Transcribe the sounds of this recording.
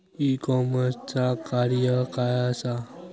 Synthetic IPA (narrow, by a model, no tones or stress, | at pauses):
ikɔməɾt͡ʃakaɾjəkajasa